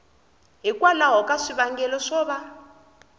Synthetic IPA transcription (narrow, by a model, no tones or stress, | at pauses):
ɦikwalaɦɔkʼaʂiβaŋɡɛlɔʂɔːβa